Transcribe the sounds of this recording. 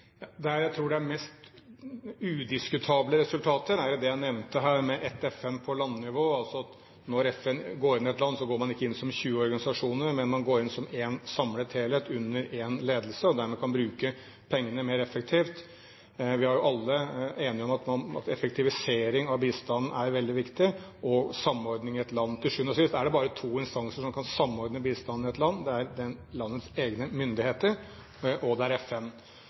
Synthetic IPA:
ɑd̪ɛæɾjæɪt̪ʰɾuːɖɛæɾmɛst̪ | ʉd̪ɪskʉt̪ʰɑːbləɾɛsʉlt̪ʰɑːt̪əɾæɾjʊd̪ɛjæɪnɛʋnt̪əɦæːɾmɛʔɛt̪ɛfɛmpʰɔlɑnːnɪʋoːɑlsɔɑt̪ | nɔɾɛfɛnɡoːɾɪnːɪɛt̪lɑnːsɔɡoːɾmɑnɪkːəɪnːsɔmçʉːəɔɾɡɑnɪsɑʂuːnəɾmɛnmɑnɡoːɾɪnsɔmensɑmlət̪ʰeːlɛt̪ʉnːəɾenleːd̪əlsəɔd̪æɾmɛːkʰɑnbɾʉːkə | pʰɛŋːənəmeːɾɛfːək̚t̪ʰiːft̪ | ʋɪhɑɾjʊʔɑlːəeːnɪɔmɑt̪mɑnɑ̰t̪ɛfəkt̪ʰɪʋɪseːɾɪŋɑʋbiːst̪ɑnn̩æɾʋɛld̪ɪʋɪkt̪ɪʔɔsɑmːɔɾd̪nɪŋɪɛt̪lɑnːt̪ʰɪlʂʉːnɔsɪst̪æɖɛbɑːɾət̪ʰuːɪnst̪ɑnsəʂɔmkʰɑnsɑmːɔɾd̪nəbiːst̪ɑnːɪɛt̪lɑnːd̪ɛæɾd̪ɛnlɑnːət̪seːɡnəmʏnd̪ɪheːt̪əɾ | ʔɔd̪ɛæɾɛfɛn

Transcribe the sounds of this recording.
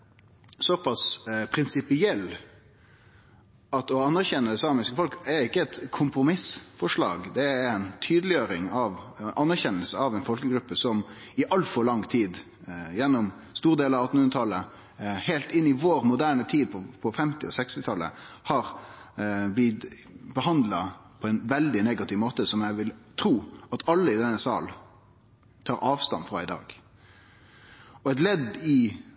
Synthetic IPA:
sɔpʰɑspʰɾɪnsɪpɪɛlː | ɑt̪ɔɑnːæɾçɛnːəd̪ɛsɑːmɪskəfɔlkæɾɪkːəɛt̪kʰʊmpɾʊmɪsfɔʂɭɑ̰ːɡd̪ɛæɾænt̪ʰyːd̪əlɪjøːɾɪŋɑʋʔɑnːæɾçɛnːəlsəɑʋɛɪnfɔlkəɡɾʉpːəsɔm | ɪʔɑlfɔɾɭɑŋt̪ʰiːd̪ | jɛnːɔm | st̪uːɾd̪eːləɑʋɑt̪n̩hʉnət̪ʰɑlːə | heːlt̪ɪnːɪʋoːɾmʊd̪æːʁɳət̪ʰiːd̪̚pʰɔpʰɔfɛmt̪ɪɔsɛkst̪ɪt̪ʰɑlːə̰hɑɾ | blɪt̪ | bəhɑnd̪lɑpʰɔɛɪnʋɛld̪ɪneːɡɑt̪ɪʋmoːt̪əsɔmjæʋɪlt̪ʰɾuːɑt̪ɑlːəɪd̪ɛnːəsɑ̰ːl | t̪ʰɑːɾʔɑːʋst̪ɑ̰nfʁɑ̰ɪd̪ɑ̰ːɡ | ɔɛt̪̬lɛd̪ɪ

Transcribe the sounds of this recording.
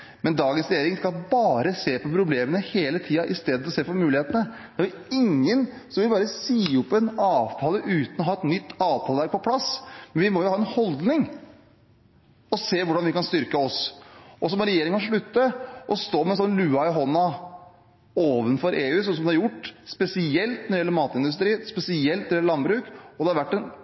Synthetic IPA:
mɛnd̪ɑːɡənsɾɛjeːɾɪŋskɑlbɑːɾəseːpɔpʰɾʊbleːmənəheːlət̪ʰiːɑʔɪst̪eːd̪əɔɔseːfɔɾmʉːlɪheːt̪ənəd̪̥ɛæʋɪ | ɪŋːən | sɔmʋɪlbɑːɾəsiːɔpːɛnɑːʋt̪ʰɑːləʔʉːt̪n̩ɔɦɑːɛt̪nʏt̪ːɑːʋt̪ʰɑːləʋæɾk̚pʰɔpʰlɑsmɛnʋɪmɔjʊhɑːɛnhɔld̪nɪŋ | ɔseːʋʊɖɑnʋɪkɑnst̪ʏɾkəɔsʔɔs̬ɔmɔɾɛjeːɾɪŋəkʰɑnʂɭʉt̪ːəʔɔst̪oːmɛnsɔnlʉːɑɪɦɔnːɑ | oːʋənfɔɾʔeːʉːsɔmsɔmd̪ɑɾjʊʈːspɛsɪɛlt̪nɔɾɪɛlːəɾmɑːt̪ɪnd̪ʉs̬t̪ɾiːspɛsɪɛlt̪nɾɛləlɑnbɾʉːkɔd̪ɛhɑɾʋæʈːɛn

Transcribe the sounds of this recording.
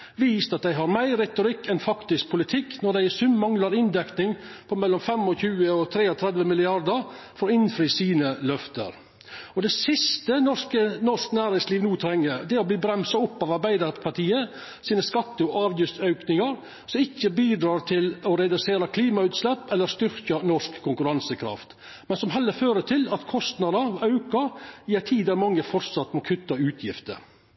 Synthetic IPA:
ʋiːst̪ɑt̪̚d̪æɪɦɑɾmæɪɾːɛt̪ʊɾɪkːɛnfɑkt̪ɪsk̚pʰʊlɪt̪ʰɪkːnɔɖ̪æɪɛsʉmmɑŋlɑɾɪnd̪ɛknɪŋpʰɔmɛlːɔmfɛmɔçʉːəɔt̪ʰɾeːɔt̪ʰɾɛd̪ʋəmɪlɪɑɾd̪əɾfɔɾɔɪnfɾiːsiːnəlœft̪ə̰ɾ | ɔd̪ɛsɪst̪ənɔʂkənɔʂknæːɾɪŋsliːʋnuːt̪ʰɾɛŋːəd̪ɛɔbliːbɾɛmsɑɔpːɑːʋɑɾbæɪd̪əɾpʰɑʈʰiːə | siːnəskɑt̪ːəɔʔɑːʋjʉst̪œʉknɪŋɑɾ | sɔmɪçːəbiːd̪ɾɑːɾt̪ʰɪlɔɾɛd̪ʉseːɾɑkʰliːmɑʉːt̪slɛpːɛlːəɾst̪ʏɾkɑnɔʂkʰːʊŋkʉɾɑnsəkʰɾɑ̰ft̪ | mɛnsɔmɦɛlːəɾføːɾət̪ʰɪlɑt̪kʰɔst̪nɑd̪əɑʉkɑjæːt̪ʰiːd̪æɾmɑŋːəfɔɾt̪sɑt̪ːmɔkʰʉt̪ːɑʉːt̪ʰjɪft̪ə̰ɾ

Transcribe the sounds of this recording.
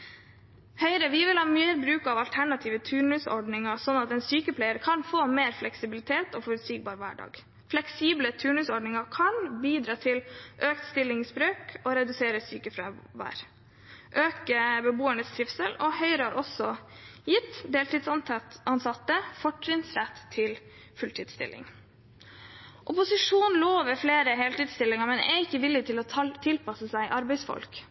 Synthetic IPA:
hœʏɾəʋɪʋɪlhɑːmyːəɾbɾʉːkɑʋɑlt̪ʰæɳɑt̪ʰiːʋət̪ʰʉːɳʉsɔ̰ɖnɪŋɑɾsɔnːɑt̪ɛnsyːkəpʰlæɪəɾkʰɑnfoːmeːɾflɛksɪbɪlɪt̪ʰeːt̪oːfɔɾʉt̪siːɡ̚bɑːɾʋæ̰ːɖɑ̰ːɡ | flɛksiːblət̪ʰʉːɳʉːsɔɖɳɪŋɑkʰɑnbiːd̪ɾɑːt̪ʰɪlʔøːkt̪st̪ɪlːɪŋsbɾøːkɔːɾɛd̪ʉseːɾəsyːkəfɾɛʋæ̰ːɾ | ʔøːkəbəbuːəɳəst̪ɾɪfsəlɔhœʏɾəhɑɾʔɔsɔ | jɪt̪ːd̪eːlt̪iːd̪sɑnsɑt̪ːəfɔʈɾɪŋsɾæt̪ʰːɪl | fʉlt̪ʰiːd̪st̪ɪ̰lːɪ̰ŋ | ʔɔpʊsɪʂuːnloːʋəfleːɾəɦeːlt̪iːd̪st̪ɪlːɪŋəɾmɛnɛ̰ɾɪkːəʋɪlːɪt̪ʰɪlɔt̪ʰɪlpʰɑsəsæɪʔɑɾbɛɪsfɔ̰lk

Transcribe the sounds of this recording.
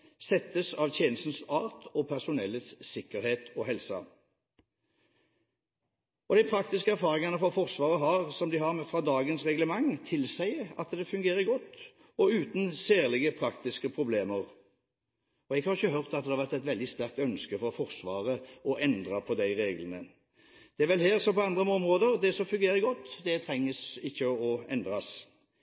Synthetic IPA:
sɛt̪ːəsɑʋt̪ʰjeːnəst̪n̩sɑːʁt̪ɔpʰæʁsʊnɛlːət̪sːɪkːəɾheːt̪ʰɔɦɛlsɑ̰ | ɔd̪æɪpʰɾɑk̚t̪ɪskəæɾfɑːʁɪŋɑnəfɔfɔʁsʋɑːʁəɦɑʁsɔmd̪ɪhɑʁmɛfʁɑːd̪ɑːɡənsʁɛɡləmɑŋt̪ʰɪlsæɪəɑt̪d̪ɛfʉŋɡeːɾəɡɔt̪ː | ɔʉːt̪n̩seːʁlɪɡəpʰɾɑkt̪ɪskəpʰɾʊbleːməɾ | ɔɛɡhɑɾʁɪçːəɦœʁt̪ɑt̪̚d̪ɛhɑʋæʁt̪ɛt̪ʋɛld̪ɪst̪æɾk̚t̪œnskəfɔfɔɾsʋɑ̰ːʁəɔʔɛnd̪ʁɑpʰɔd̪æɪɾeːɡlənə | d̪̥ɛæɾʋɛlɦeːɾsɔmpɔɑnd̪ʁəmɔmʁoːd̪əʁd̪ɛsɔmfʉŋɡeːɾəɡɔt̪ːd̪ɛt̪ʰɾɛŋːəsɪçːəɔɛ̰nd̪ɾɑs

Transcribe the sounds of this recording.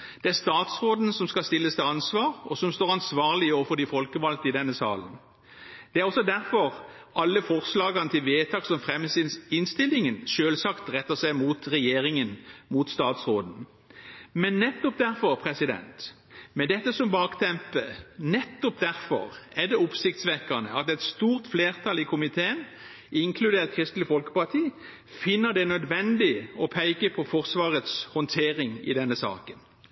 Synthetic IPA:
d̪̥ɛæʁst̪ɑːt̪sʁoːd̪n̩sɔmskɑst̪ɪlːəst̪ɪɑnsʋɑːʁɔsɔmst̪oːɾɑnsʋɑːʁlɪoːʋfɔd̪ɪfɔlkəʋɑlt̪ɪd̪ɛnːəsɑ̰ːlən | d̪̥ɛæɾʁɔsɔd̪æʁfɔʁ | ʔɑlːəfɔʁslɑːɡɑnət̪ɪlʋeːt̪ʰɑːksɔmfʁɛmːəsɪnɪnst̪ɪlːɪŋənʃøːlsɑkt̪ʁɛt̪ːəsæɪmuːt̪ʁɛjeːɾɪŋənmuːt̪st̪ɑːt̪sʁoːd̪n̩ | mɛnːɛt̪ːɔp̚d̪æʁfɔʁpʰʁɛsɪd̪ɛ̰nt̪ | mɛd̪ɛt̪ːəsɔmbɑːkt̪ʰɛmpə̰nɛt̪ːɔpd̪æʁfɔ̰ʁɛd̪ɛʊpsɪkt̪sʋɛkənə̰ɑt̪ɛt̪st̪uːʁt̪fleːʁt̪ʰɑlɪkʰʊmɪt̪ʰeːən | ʔɪŋkʰlʉd̪eːʁt̪̚kʰʁɪst̪lɪfɔlkə̥pɑʁt̪ʰiː | fɪnːəʁd̪ɛnœd̪ʋɛnd̪ɪɔpʰæɪkəpʰɔfɔʁsʋɑːʁət̪shɔnt̪ʰeːʁɪŋɪ̰d̪ɛnːəsɑ̰ːkən

